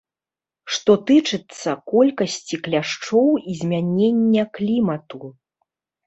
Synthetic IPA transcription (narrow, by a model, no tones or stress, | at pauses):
ʂt̪ɔt̪ɨt͡ʂɨt̪sːɐkɔlʲkɐsʲt͡sʲiklʲaʂt͡ʂɔwizʲmʲanʲenʲːɐklʲimɐt̪u